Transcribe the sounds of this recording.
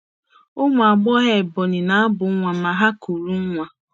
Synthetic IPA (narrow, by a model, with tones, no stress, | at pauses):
ʊ˦mʷ˨a˨ɡ͡bɔ˦ɦɛ˨bɔ˨nɪ˨na˨a˦bʊ˨˦ŋʷa˨ma˨ɦa˦ku˨ɾu˦ŋ̩˦ŋʷa˨